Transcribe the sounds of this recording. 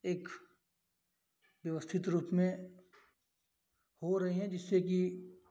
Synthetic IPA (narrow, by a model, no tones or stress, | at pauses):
eːk | ʋjəʋəst̪ʰɪt̪ɾuːpmẽ | hoɾɐɦiɦɛ̃d͡ʒɪsːeki